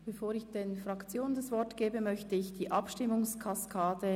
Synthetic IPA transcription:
b̥efoːɾɪçd̥enfʁɑkt͡sjoːnəndɑsv̥ɔɾtɡ̥eːbəmœçtəɪçd̥iːʔɑpʃtɪmʊŋskʰɑskʰaːdə

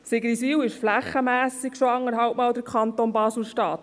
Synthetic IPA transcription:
sɪɡɾisiːwɪʃflæχəmæːsɪɡʃoɑŋːəɾɦɑwpmɑːwdəɾkʰχɑnt̪onbɑːsl̩ʃtɑːt̪

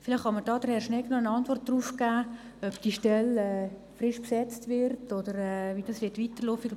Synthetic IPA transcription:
fɪlɪχhɑməɾdɑːd̥əɾhɛɾʃnɛknoənɑntʋɔrt̚d̥ruːfkæː | œb̥d̥iːʃtɛlɛː | frɪʃpsɛt͡stʋɪɾtodəɾɛːviːd̥ɑsʋɪtʋiːtərlofiɡ

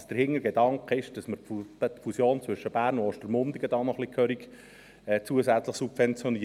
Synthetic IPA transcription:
sd̥əɾhɪŋːəɾɡedɑŋkəɪʃd̥ɑsməɾt̪fusjoːnt͡sʋɵʃːəb̥æːɾrnʊɔʃtəɾmʊnd̪iɡəd̪ɑːnɔχlikʰœɾik | ɛt͡suəzæt͡slɪχsubfɛnt͡sjɔni

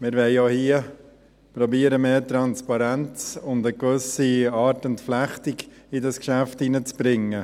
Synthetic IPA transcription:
mɪɾʋɛɪjohiə | pɾɔbiəɾəmeːtɾɑnspɑɾænt͡sʊndəkvʏsiɑːɾtʊntflæχtiɡ | ɪdɑskʃæftinət͡sb̥ɾɪŋːə

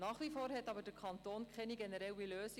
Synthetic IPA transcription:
nɑːχʋifoːɾhɛtɑbəd̥əkʰɑnt̪oːnkχɛniɡɛnəɾɛwiløːsi

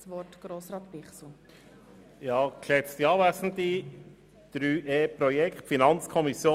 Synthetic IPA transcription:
sʋɔtɡ̥ɾoːsɾɑːt̪bɪχsl̩ | jɑːkʃɛt͡st̪iɑːvæsn̩t̪i | d̪̥ɾyːʔeːpɾɔjɛkχtfinɑnt͡skʰɔmisjoː

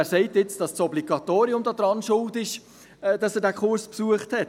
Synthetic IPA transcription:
æːɾsɛɪtjɪt͡sd̥ɑssɔbliɡɑt̪oːɾiʊmdɔːd̥ɾɑnʃʊltɪʃ | d̥ɑsɛːɾdɛkχʊɾspsuəχthɛt

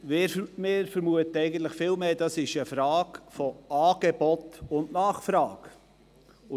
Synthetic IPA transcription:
mɪɾmɪːɾfəɾmuətəɛɪɡən̩t̪ləχfɪlmeːd̥ɑsɪʃəfɾɑːkfɔɑːɡ̥ebɔtʊnnɑːχfɾɑːɡ

